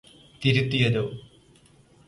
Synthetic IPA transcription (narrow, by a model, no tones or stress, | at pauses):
t̪iɾut̪ːijɐðoː